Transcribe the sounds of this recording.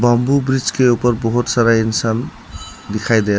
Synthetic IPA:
bʌmbubɾid͡zkeupəɾbɔɦut̪saɾainsan | d̪ikʰajd̪e

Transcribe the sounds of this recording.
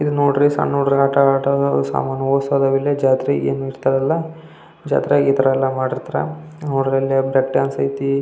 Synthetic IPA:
id̪unoːɽɾisa̰nːoːɽɾiaːʈɐːʈɐsa̰ːmaːnːɐoːsad̪ɐʋilːed͡ʒaːt̪ɾeḛːnuiɾt̪ɐɾɐlːɐ | d͡ʒa̰ːt̪ɾeit̪ɐɾɐɛlːɐmaːɽiɾt̪ɾa̰oɽɾɐlːebɾekɖjaːnsɐit̪i

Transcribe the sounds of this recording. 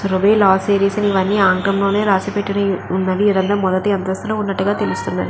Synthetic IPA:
sɾobeːlaːsiːɾiːsinʋɐnːiaːŋkɐmloːneːɾaːsipɛʈːɐnɐunːɐʋiːɾɐnd̪ɐmɔðɐt̪ːɯɐnt̪ɐst̪uloːunːɐʈːɯɣaːt̪elɪst̪unːɐði

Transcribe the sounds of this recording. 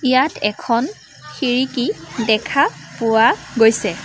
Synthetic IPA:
ijatʰɛ̰kʰɔn | xiɹikidɛkʰapʊwaɡojsɛ

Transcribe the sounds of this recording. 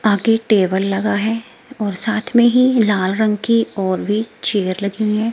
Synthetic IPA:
aːɡeʈeːbəlːɐɡaɦɛ | ɔːɾsaːt̪ʰmẽɦilaːlɾɐ̃ŋɡkiɔːɾbʱit͡ʃeːɾlɐɡĩɦɛ̃ː

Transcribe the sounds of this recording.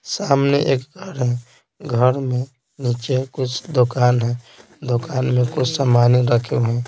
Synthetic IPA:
samneʔeːkɡʱəɾɦɛ̃ | ɡʱəɾmẽ | nit͡ʃekʊt͡ʃʰd̪okaːnɦɛ̃ | d̪okaːnmẽkʊt͡ʃʰsamaniɾəkʰeɦɛ̃

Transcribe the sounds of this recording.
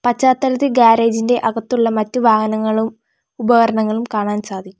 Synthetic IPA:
pɐt͡ɕːaːt̪ːɐlɐðiɡaːɾeːd͡ʑinde̞ʔɐɣɐt̪ːuɭːɐmɐtːuʋaːhɐnɐŋːɐɭum | ubɐɣɐɾɐɳɐŋːɐɭumkaːɳaːnsaːd̪ʱikːu

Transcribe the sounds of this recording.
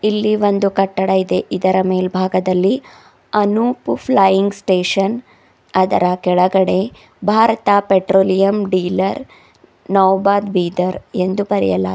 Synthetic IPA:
ilːiʋond̪ukɐʈːɐɽɐid̪e̞ʔid̪ɐɾɐme̞ːlbʱaːɡɐd̪ɐlːi | ɐnupupʰlajiŋɡsʈeːʂɐn | ɐd̪ɐɾɐkɛɭɐɡɐɽe̞ | bʱaːɾɐt̪apeʈɾoːlijɐmɖiːlɐɾ | nɐʋbaːd̪biːd̪ɐɾend̪upɐɾḭjɐ̰lɐ̰

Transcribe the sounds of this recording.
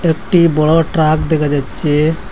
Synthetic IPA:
ekʈibɔɽɔʈɾakd̪ekʰad͡ʒat͡ʃe

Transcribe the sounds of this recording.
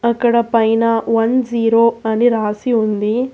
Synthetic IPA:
ɐkːɐɽɐpɐjnɐʋɐnd͡ʒiːɾoːɐniɾaːsiund̪i

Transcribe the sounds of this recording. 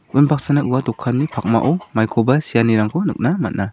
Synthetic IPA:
unbʰak̚sanaʔuwadɔkʰːanːipʰak̚ma̰ʔɔmajkʰɔbasijaniɾaŋkʰɔnɯ̰k̚namat̚na

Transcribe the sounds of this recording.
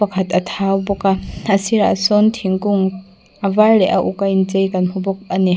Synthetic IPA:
ɐkʰɐt̪ɐt̪ʰawbɔkaɐsiɾaʔsɔnt̪ʰiŋkʊŋ | ʔɐvarlɛʔɐʔukajnt͡sejkɐnhubɔk̚ɐni

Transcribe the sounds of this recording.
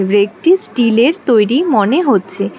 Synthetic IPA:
bɾek̚ʈisʈileɾt̪ojɾimoneɦotːɕʰe

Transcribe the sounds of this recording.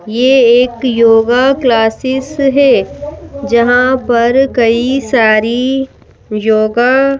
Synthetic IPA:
jeːeːkjoːɡaklaːsɪsɦɛː | d͡ʒɐɦãpɐɾkɐisaːɾi | joːɡa

